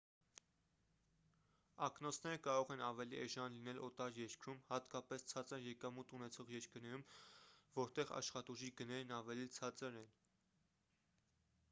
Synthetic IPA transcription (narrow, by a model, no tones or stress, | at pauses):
ɑknɔt͡sʰnɛɾəkɑɾɔʁɛnɑvɛliʔɛʒɑnlinɛlɔt̪ɑɾjɛɾkɾumhɑt̪kɑpɛst͡sʰɑt͡səɾjɛkɑmut̪unɛt͡sʰɔʁjɛɾkəɾnɛɾumvɔɾt̪ɛʁɑ̰ʃχɑt̪uʒiɡənɛɾnɑvɛlit͡sʰɑt͡səɾɛn